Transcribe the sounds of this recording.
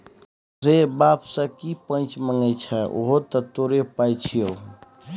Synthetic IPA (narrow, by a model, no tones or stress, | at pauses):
ɾebapsə̃kipənt͡ʃməŋɡɛt͡ʃʰɛʔo̰ɦot̪ət̪oɾepajt͡ʃʰijo